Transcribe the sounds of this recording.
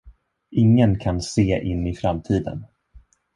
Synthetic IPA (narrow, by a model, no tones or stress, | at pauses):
ʔɪŋːənkʰanseːʔɪnːɪfɾamt̪ʰiːd̪ə̰n